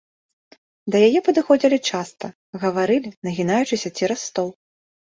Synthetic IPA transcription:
d̪ɐjajɛpɐd̪ɨxɔd͡zʲilʲit͡ʂast̪ɐ | ɣɐvaɾɨlʲinɐɣʲinajut͡ʂɨsʲɐt͡sʲiɾɐsːt̪ɔw

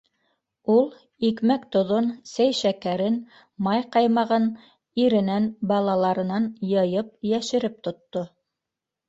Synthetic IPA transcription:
ulˠ | ikmækt̪ŏðonsæjʃækæɾɘn | mɑjqɑjmɑʁɤn | iɾɘ̆nænbɑlˠɑlˠɑɾɤ̆nɑnjɤ̆jɤp̚jæʃɘ̆ɾɘp̚t̪ŏt̪ːo

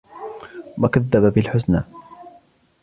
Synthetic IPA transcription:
makaðːababɪlħʊsnaː

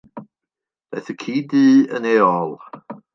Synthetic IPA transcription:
b̥ɛ̰θəkʰiːdiːəneːɔlˠ

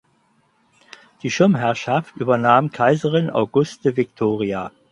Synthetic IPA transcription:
d̥iːʃɪɐmɦɛɐʃaftʔyːbɐnaːmkʰaɪzəʁɪna̰ʊɡʊstəvɪktʰoːʁia

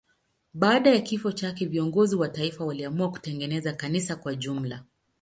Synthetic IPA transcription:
ɓaːɗajakifɔt͡ʃakɛviɔŋɡɔziwataifawaliamuaku̥tɛŋɡɛnɛzakanisakwaʄum̩la

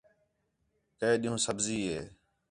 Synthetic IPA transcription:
keeːɗiːɦũːsəbziːɦeː

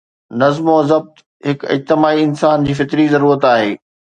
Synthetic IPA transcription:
nɐzmoɐzɐb̚t̪ | ɦɪkɪ̰d͡ʑt̪ɪmaːiɪnsaːnd͡ʑiːfɪt̪ɾizɐɾuːɾət̪aːɦeː

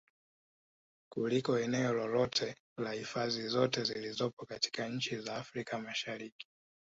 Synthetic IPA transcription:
kulikɔɛnɛɔlɔlɔtʰɛ | lahifazizɔtɛzilizɔpɔkati̥kaɲ̩t͡ʃizaːfɾikamaʃaɾiki̥

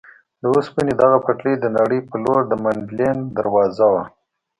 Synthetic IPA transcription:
d̪əuspəned̪aɣapaʈled̪ənaɽəjpəloɾd̪əmaɳɖlend̪aɾwɑzawa

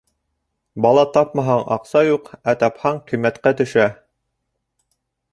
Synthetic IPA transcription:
bɑlˠɑt̪ɑp̚mɑɦɑɴɑqsɑjuqæt̪ɑphɑɴqimːæt̪qæt̪ɵ̆ʃæ

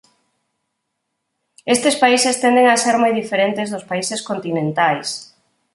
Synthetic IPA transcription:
est̪espaisest̪end̪eŋaseɾmojðifeɾent̪ezðʊspaiseskont̪inẽnt̪ajs

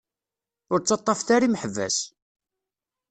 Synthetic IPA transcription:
ʊɾt͡sːɑt̪ˤːɑfθaɾiməħəvːæ̰s

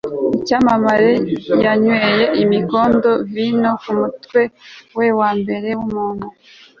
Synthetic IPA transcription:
icamamaɾejaɲweje̞ʔimiko̞ːndo̞vinokumutwe̞wewaːmbe̞ɾe̞wumuːŋɡo

